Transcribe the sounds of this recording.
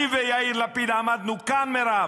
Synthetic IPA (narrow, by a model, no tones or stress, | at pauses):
vejaiɾlapid̪aːmad̪nukanmeɾa